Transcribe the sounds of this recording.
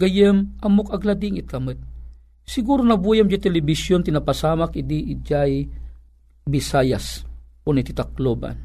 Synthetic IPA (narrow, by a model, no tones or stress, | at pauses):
ɡɐjəmʔɐmokɐɡlad̪iŋɪt̪̚kɐmɨt̪̚ | sɪɡuːɾonɐbujamd͡ʒat̪ɛlɪbɪsjont̪ɪnapasaːmakɪd̪iʔid͡ʒaj | bɪsajas | onit̪ɪt̪ak̚loba̰n